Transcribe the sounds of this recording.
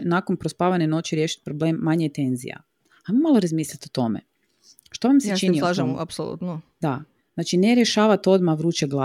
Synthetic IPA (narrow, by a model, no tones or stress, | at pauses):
nakonpɾospaːʋaneno̞t͡ʃiɾjeʃi̥t̪̚pɾo̞blemːaɲejet̪e̞nzḭja̰ | ajmomalˠoɾazmiːslʲit̪ot̪o̞mḛ | ʃt̪oʋamset͡ʃiniolaʒma̰psolˠṵt̪nod̪a | znaːt͡ʃineɾjeʃaːʋat̪o̞d̪maʋɾuːt͡ʃeɡlˠa